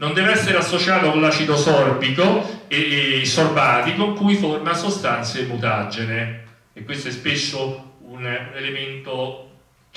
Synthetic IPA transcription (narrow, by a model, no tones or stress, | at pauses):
nond̪ɛːveɛsːeɾeasːot͡ʃaːt̪okõlat͡ʃːit̪osɔrbikoesːorbaːt̪ikoŋkujformasost̪ant̪sjemut̪ad͡ʒene | ekwest̪oɛspesːounelement̪o